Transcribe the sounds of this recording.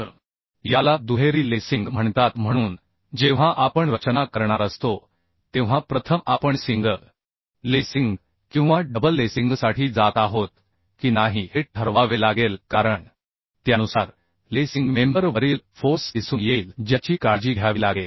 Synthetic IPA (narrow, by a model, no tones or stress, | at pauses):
jalad̪uɦeɾiːlesiŋɡm̤əɳt̪at̪m̤əɽ̃uːn | d͡ʑeʋ̤aʔapəɳɾət͡ɕnakəɾɳ̃aɾəst̪o | t̪ẽʋ̤apɾət̪ʰəmapəɳsiŋɡə | lesiŋɡ | kĩw̃ʋaɖəbəlːesiŋɡsaʈʰiːd͡zat̪aɦot̪̚ | kiːnaɦiheʈʰəɾʋaʋelaɡelkaɾəɳ | t̪janusaɾ | lesiŋɡmembəɾʋəɾiːlfosisuːnjeld͡ʑjat͡ɕiːkaɾd͡ʑiːɡʱjaʋilaɡe